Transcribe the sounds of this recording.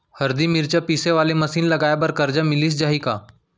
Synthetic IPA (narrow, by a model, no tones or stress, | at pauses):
həɾd̪iːmiɾt͡ɕjapiseʋaleməsiːnləɡajabəɾkəɾd͡ʑamiliːsd͡ʑaɦiːka̰